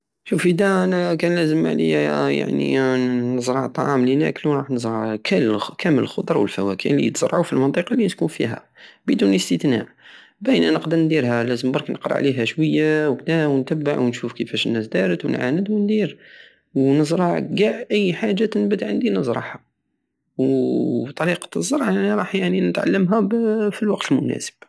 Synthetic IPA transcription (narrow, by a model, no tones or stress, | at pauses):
ʃufid̪æʔænækænlæzəma̰ʕlḭjæja̰ʕnḭnəzɾˤɑʕt̪ˤːɑ̰ʕɑmlinæ̰kluɾˤɑħnəzˤɾˤɑʕkʰælkæmələlxʊd̪ˤɾˤɑwəlfæwækʰiʕlḭt̪z̥ɾˤɑʕufilmɑnt̪ˤiqɑlinət̪kunfḭɦæ̰ | bəd̪unləst̪ət̪na̰ʕ | bæjnænəqd̪əɾnd̪iɾhælæzəmbɑɾˤknʔəqɾˤɑ̰ʕliɦæʃwəjːawknæwənt̪æbːaʕwnʃufkəfæʃənːæsd̪æɾət̪wənʕa̰nəd̪wənd̪iɾ | wnəzˤɾˤɑʕɡaʕʔəjːħaʒːat̪ənbət̪ʕənd̪inəzˤɾˤɑħɑ | wt̪ˤɑɾiqɑ̥zˤːɑɾˤʕʔænæɾˤɑħjaʕninət̪ʕa̰lːəmɦæfilwɑq̚t̪əlmʊnæ̰sə̥b̥